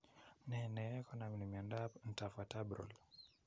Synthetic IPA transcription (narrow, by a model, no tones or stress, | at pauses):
nɛnɛɛkɔnaminimiandapn̩tafatabɾɔ̰l